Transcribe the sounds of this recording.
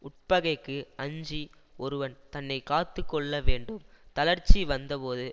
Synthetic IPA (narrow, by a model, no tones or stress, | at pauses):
ʊʈ̚pɐɣɐɪkːɯɐɲd͡ʒi | ɔɾɯʋɐnt̪ɐnːɐɪkaːt̪ːɯkːɔɭːɐʋeːɳɖɯmt̪ɐlɐɾt͡ʃːiʋɐnd̪ɐpoːðɯ